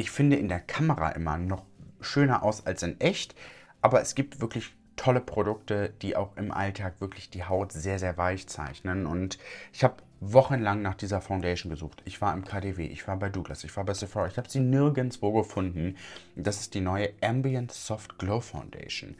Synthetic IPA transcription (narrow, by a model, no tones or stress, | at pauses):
ʔɪçfɪndəʔɪndeːɐkʰaməʁa̰ʔɪmɐ̰nɔχʃøːnɐʔa̰ʊsalsɪnʔɛçtʔaːbɐɛsɡ̥iːp̚tv̥ɪɐklɪç | tʰɔləpʁ̥odʊk̚təd̥iːʔa̰ʊxɪmʔa̰ltʰaːkv̥ɪɐklɪçd̥iːɦaʊtz̥eːɐzeːɐvaɪçt͡sa̰ɪçnənʊntɪçhaːb | vɔχənlaŋnaːχd̥iːzɐfaʊndeɪʃn̩ɡəzuːxχtɪçv̥aːɐɪmkʰaːdeːvḛːʔɪ̰çv̥aːɐbaɪduːɡla̰sɪçv̥aːɐbaɪsɛfɔːɪçhaːb̥əziːnɪɐɡənt͡sv̥oːɡəfʊndn̩d̥asɪ̥st̚d̥iːnɔʏəʔɛmbiənːɔftɡ̥loʊfaʊ̃ndḛɪʃn̩